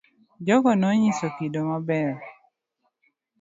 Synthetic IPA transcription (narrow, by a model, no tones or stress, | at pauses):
d͡ʒɔɡɔnɔɲisokidomabɛɾ